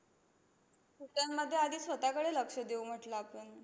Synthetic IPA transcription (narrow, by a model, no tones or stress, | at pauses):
suʈjamːəd̪ʱːjead̪ʱiːsʋət̪akəɽeləkʂəd̪eum̤əʈlaːpəɳ